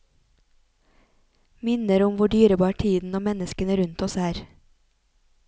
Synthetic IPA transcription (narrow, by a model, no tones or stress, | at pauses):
mɪnəɾʊmʋʊɖyːɾəbɑːʈʰiːd̪n̩oːmɛnəskənəɾʉnt̪ɔsæːɾ